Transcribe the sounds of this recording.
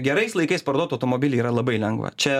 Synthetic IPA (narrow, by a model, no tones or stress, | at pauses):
ɡʲɛɾɐɪslˠɐɪkɐɪspɐɾod̪oːt̪ɐʊt̪oːmoːbʲiːlʲɪiːɾɐlˠɐbɐɪlʲɛŋɡʋɐ̰t͡ʃʲɛ